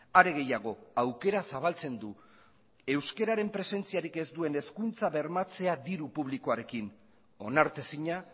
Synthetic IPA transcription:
aɾe̞ɣ̞e̞jaɣ̞o̞awke̞ɾasaβ̞alt͡se̞nd̪u | e̞wske̞ɾaɾe̞mpɾe̞se̞nt͡siaɾike̞zd̪ue̞ne̞skunt͡saβe̞ɾmat͡se̞ad̪iɾupuβ̞liko̞aɾe̞kin | o̞naɾt̪e̞siɲa

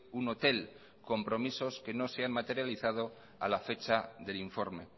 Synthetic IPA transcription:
uno̞t̪e̞l | ko̞mpɾo̞miso̞ske̞no̞seanmat̪e̞ɾjaliθað̞o̞ | a̰lafe̞t͡ʃaðe̞liɱfo̞ɾme̞̰

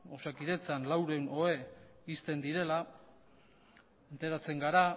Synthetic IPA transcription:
osakiðe̞t͡sanlawɾe̞uno̞e̞ist̪e̞nd̪iɾe̞la | nt̪e̞ɾat͡se̞ŋɡaɾa

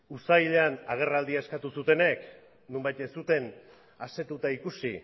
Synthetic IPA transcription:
usajʎanaɣ̞e̞rald̪iaeskat̪usut̪e̞ne̞k | numbajt̪esut̪e̞n | ase̞t̪ut̪aikusi

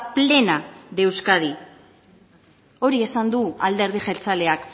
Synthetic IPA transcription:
ple̞naðe̞wskað̞i | o̞ɾie̞sand̪uald̪e̞ɾð̞iʝe̞lt͡sale̞ak

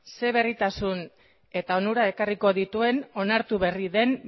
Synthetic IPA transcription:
se̞β̞e̞rit̪asun | e̞t̪aonuɾae̞kariko̞ðit̪ue̞no̞naɾt̪uβe̞riðe̞n

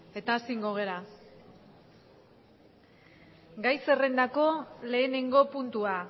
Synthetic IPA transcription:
e̞t̪aːsiŋɡo̞ɣ̞e̞ɾa | ɡajse̞re̞nd̪ako̞le̞ːne̞ŋɡo̞punt̪ua

